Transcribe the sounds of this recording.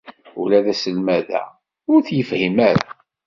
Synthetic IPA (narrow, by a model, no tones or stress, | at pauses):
ʊlæðæsəlmæðæ̰ | ʊɾθjəfhimæɾ